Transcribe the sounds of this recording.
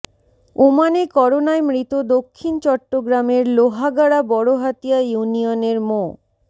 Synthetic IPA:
omanekɔɾonaemɾit̪od̪okʰːint͡ɕɔʈːoɡɾameɾloɦaɡaɽabɔɽoɦat̪ijajunioneɾmo

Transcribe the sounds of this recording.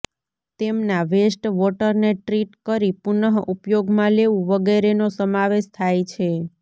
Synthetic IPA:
t̪emnaʋesʈʋɔʈəɾneʈɾiʈkəɾipunəɦupjoɡmãleʋũʋəɡɛɾenosəmaʋeʃt̪ʰajt͡ʃʰe

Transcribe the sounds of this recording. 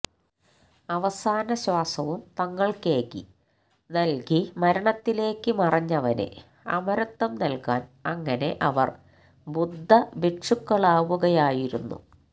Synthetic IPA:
ɐʋɐsaːnɐɕwaːsɐʋumt̪ɐŋːɐɭkeːkːi | nɐlkimɐɾɐɳɐt̪ːile̞ːkːɨmɐrɐɲːɐʋɐnḛ | ɐ̰mɐɾɐt̪ːɐmnɐlkaːnɐŋːɐne̞ʔɐʋɐ̰r | bud̪ʱːɐbeʂukːɐɭaːʋuɣɐjaːjiɾunːṵ

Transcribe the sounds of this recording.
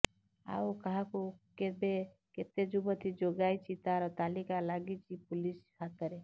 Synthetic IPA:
a̰ukaɦãkukebe | ket̪ed͡ʒubət̪ʰid͡ʒoɡajt͡ʃʰit̪aɾɔt̪alikalaɡit͡ʃʰipulishat̪əɾe

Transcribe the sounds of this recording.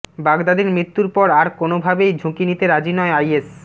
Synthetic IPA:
baɡd̪ad̪eɾmɾit̪ːuɾpɔɾaɾkonobʱabejd͡ʑʱũkinit̪eɾad͡ʑinɔeajes

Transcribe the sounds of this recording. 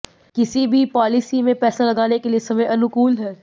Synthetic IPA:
kɪsibʱipɔːlɪsimẽpɛːsalɐɡaːnekeliesɐməjɐnʊkuːlɦɛː

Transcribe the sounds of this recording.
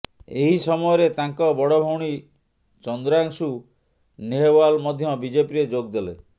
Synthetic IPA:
eɦisɔmɔjɔɾet̪aŋkɔbɔɽɔbʱɔwɽ̃i | t͡ʃɔnd̪ɾaŋsu | neɦewalmɔd̪ʱjɔbid͡ʒepiɾed͡ʒoɡd̪ele

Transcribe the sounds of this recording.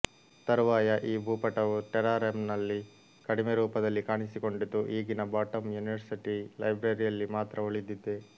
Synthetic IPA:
t̪ɐɾʋaːjɐʔiːbʱuːpɐʈɐʋuʈɛɾaːɾemnɐlːi | kɐɽimeɾuːpɐd̪ɐlːikaːɳisiko̞ɳɖid̪ːuʔiːɡinɐbaːʈɐmjuniʋɐɾsiʈilɐjbɾɐɾijɐlːimaːt̪ɾʔɐoɭid̪id̪ːe

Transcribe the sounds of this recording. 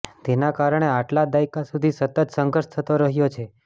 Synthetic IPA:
t̪enakaɾəɳ̃eaʈlad̪ajkasud̪ʱisət̪ət̪səŋɡəɾʃt̪ʰət̪oɾəɦjot͡ʃʰe

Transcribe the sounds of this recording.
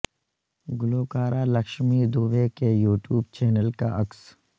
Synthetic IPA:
ɡʊloːkaːɾalɐkʃmid̪uːʋekejuːʈjuːb̚t͡ʃɛːnəlka̰ʔɐks

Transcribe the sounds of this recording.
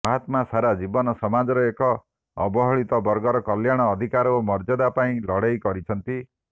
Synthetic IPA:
maɦat̪masaɾad͡ʒibɔnɔsɔmad͡ʒɔɾɔekɔː | bɔɦɔɭit̪ɔbɔɾɡɔɾɔkɔljaɽ̃ɔːd̪ʱikaɾomɔɾd͡ʒɔd̪apaĩlɔɽ̤ajkɔɾit͡ʃʰɔnt̪i

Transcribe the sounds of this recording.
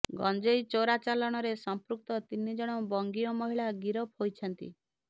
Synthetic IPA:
ɡɔ̰nd͡ʒejt͡ʃoɾat͡ʃalɔɽ̃ɔɾesɔmpɾuk̚t̪ɔt̪inid͡ʒɔɽ̃ɔbɔŋɡiɔmɔɦiɭaɡiɾɔphojt͡ʃʰɔnt̪ḭ

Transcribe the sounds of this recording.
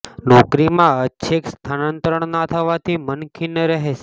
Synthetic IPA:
nɔkɾimãəːʃʰekst̪ʰanənt̪ɾəɳ̃nat̪ʰəʋat̪ʰimənkʰinəɾəɦe

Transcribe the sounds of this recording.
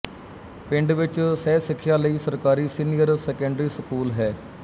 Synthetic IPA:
pɪ̃ɳɖʋɪt͡ʃsɛːsɪkʰːɪjaːləiːsəɾkaːɾiːsiːnijəɾsɛːkɛ̃ɳɖɾiːsəkuːlɦɛː

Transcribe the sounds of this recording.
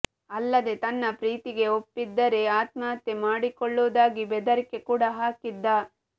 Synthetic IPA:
ɐlːɐd̪e̞t̪ɐnːɐpɾiːt̪iɡe̞opːid̪ːɐɾe̞aːt̪̚maːt̪jemaːɽikɔɭːoːd̪aːɡibɛd̪ɐɾikːe̞kuːɽɐɦaːkid̪ːa

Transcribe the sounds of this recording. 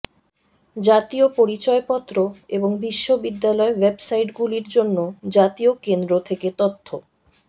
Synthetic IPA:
d͡ʑat̪iopoɾit͡ɕɔepɔt̪ːɾoeboŋbiʃːobid̪ːalɔewebsajʈɡuliɾd͡ʑonːod͡ʑat̪iokend̪ɾot̪ʰeket̪ot̪ʰːo

